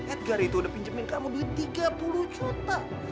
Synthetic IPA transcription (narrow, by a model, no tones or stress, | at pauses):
ɛt̪̚ɡaɾit̪uːdahpiɲt͡ʃəmɪnkamobilit̪iɡapuluht͡ʃut̪a